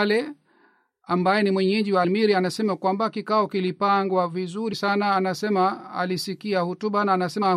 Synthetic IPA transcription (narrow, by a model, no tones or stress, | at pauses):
lɛ | ambajɛnimwɛɲɛd͡ʒiwalmiɾianasɛmakwambakikaɔkilipaŋɡwavizuɾisanaːnasɛmaa̰lisikiahutuɓanaːnasɛa